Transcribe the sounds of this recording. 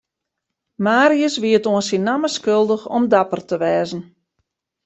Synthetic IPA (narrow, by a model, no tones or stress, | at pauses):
maːɾiəsʋiətoənsinaməskølˠdəxɔmdapərtəʋɛːzən̩